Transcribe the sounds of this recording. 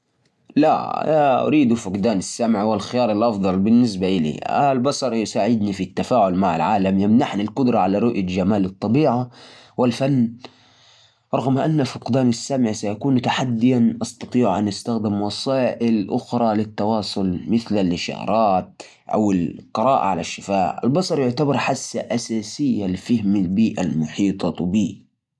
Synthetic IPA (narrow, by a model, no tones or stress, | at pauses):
la̰a̰naʔʊ̰ɾiːd̪ufʊqd̪aːnasːamʕwɪlxɪjɑːɾˤɪlʔɑfd̪ˤɑlbɪnːɪsbaʔɪlḭʔa̰lbɑsˤɑɾˤjsaːʕɪd̪nifit̪ːafaːʕʊlmaʕa̰lʕaːlamjamnaħnalqʊd̪ɾˤɑʕalaɾˤʊʔjad͡ʒamaːlɨt̪ˤːɑbiːʕawɪlfanː | ɾˤɑɣmʔanːafʊqd̪aːnasːamʕsajakuːnt̪aħad̪ːɪjanʔɑst̪ɑt̪ˤiːʕʔanʔast̪axd̪ɪmwɑsˤɑːʔɪlʔʊxɾˤɑlɪt̪ːɑwɑːsˤʊlmɪθlalːɪʃɑ̰ːɾˤɑːt̪̚ | ʔa̰wɪlqɨɾˤɑːʔa̰ʕalaʃːɪfaːʔa̰lbɑsˤɑɾˤjʊʕt̪abɑɾˤħasːaʔasaːsɪjːalfɪhmalbiːʔa̰lmʊħiːt̪ˤɑbiː